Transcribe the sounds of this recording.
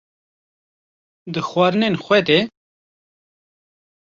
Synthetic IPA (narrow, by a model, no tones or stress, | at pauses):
d̪əxwaɾnenxwet̪e